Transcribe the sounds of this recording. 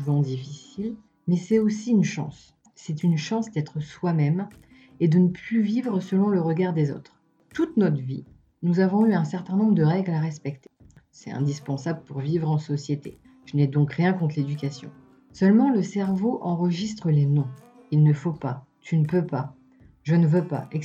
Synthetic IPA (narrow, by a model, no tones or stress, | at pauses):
uvɑ̃d̪ifisil | mɛsɛosiynʃɑ̰̃sː | ɛt̪ynʃɑ̃sd̪ɛt̪χəswamɛm | ed̪ənəplyvivʁəsəlɔ̃ləʁəɡaʁd̪ezo̰t̪χ | t̪ut̪nɔt̪χəvḭ | nuzavɔ̃yɛ̃sɛʁt̪ɛ̃nɔ̃bʁəd̪əʁɛɡlaʁɛspɛkt̪e̥ | sɛt̪ɛ̰̃d̪ispɑ̃sabləpuʁvivʁɑ̃sɔsjet̪ḛ | ʒ̥ənɛd̪ɔ̃kʁjɛ̃kɔ̃t̪χled̪ykasjɔ̰̃ | sœlmɑ̃ləsɛʁvoʔɑ̃ʁəʒist̪χəlenɔ̃ | ilnəfopa | t̪ʰynəpøpa | ʒənəvøpa̰ɛ